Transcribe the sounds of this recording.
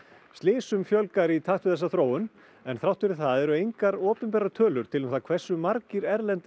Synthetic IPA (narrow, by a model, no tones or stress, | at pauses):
st̪lɪːsʏmfjœlkaɾit̪ʰaht̪vɪðθɛsːaθɾoːwʏn | ɛnθɾawht̪fɪɾɪ̥θaðɛɾʏejŋkaɾɔːpɛnp̬ɛːɾat̪ʰœːlʏɾ̥t̪ʰɪlmθakʰvɛr̥sːʏmaɾcɪɾɛɾlɛnt̪